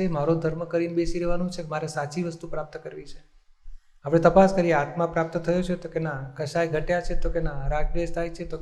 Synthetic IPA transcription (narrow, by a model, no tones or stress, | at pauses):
emaɾod̪ʱəɾməkəɾinbesiɾeʋanũt͡ʃʰekmaɾesat͡ʃiʋəst̪upɾap̚t̪əkəɾʋit͡ʃʰe̥ | apɽ̃et̪əpaskəɾieat̪ʰmãpɾap̚t̪ət̪ʰəjot͡ʃʰet̪okenakəʃajɡʱəʈjat͡ʃʰet̪okenaɾakbest̪ʰajt͡ʃʰet̪o